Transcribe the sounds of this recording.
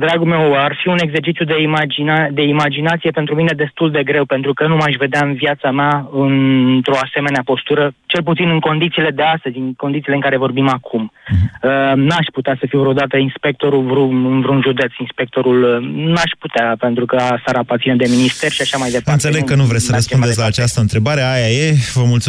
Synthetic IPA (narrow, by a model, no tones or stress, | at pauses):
d̪ɾaɡume̞warfiune̞ɡze̞rt͡ʃit̪sjud̪e̞mad͡ʒiad̪e̞imad͡ʒinat̪sije̞pe̞nt̪ɾumine̞d̪e̞st̪uld̪e̞ɡɾe̞wpe̞nt̪ɾukənumaʃ̬ve̞d̪eaɨnvjat̪sameaɨnt̪ɾo̞ase̞me̞neapo̞st̪uɾət͡ʃelp̬ut̪sinɨŋko̞nd̪it̪siːle̞d̪e̞ast̪əzʲɨŋkod̪it̪sileɨŋkaɾe̞vo̞rbimakʰumənaʃput̪easəfiwvɾod̪at̪əinspe̞k̚t̪o̞ɾuvɾuɨnvɾunʒud̪et̪sinspe̞k̚t̪o̞ɾulnaʃput̪eape̞nt̪ɾukəasaɾaːpart̪sined̪e̞minist̪e̞rʃiaʃamajd̪eɨnt̪selekːənuvɾessəɾəspunets̬ʲlaːt͡ʃast̪əɨnt̪ɾe̞baɾeajajevəmult̪su